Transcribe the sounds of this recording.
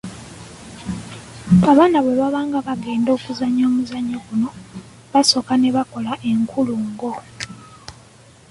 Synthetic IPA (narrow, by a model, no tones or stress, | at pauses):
aβaːnaβwe̞βaβaːŋɡaβaɡe̞ːndo̞ːkuzaɲoːmuzaɲːaɡuno̞ | βaso̞kane̞βako̞laʔe̞ŋkʰuluŋɡo̞